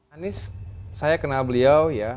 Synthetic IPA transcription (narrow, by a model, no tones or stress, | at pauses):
anɪssajakənalbəliawja